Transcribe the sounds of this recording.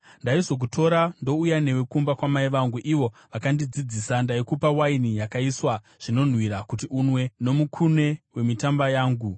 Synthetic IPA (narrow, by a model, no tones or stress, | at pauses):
ndaizo̞k̬utʰo̞ɾando̞ujane̞wekumbakwamaiʋaŋɡuʔiʋo̞ʋakandid͡zid͡ziːsandaikupawainijakaiswa | ʐ̥ino̞n̤wiɾakutiʔunwe̞no̞mukʰune̞we̞mitambajaːŋɡu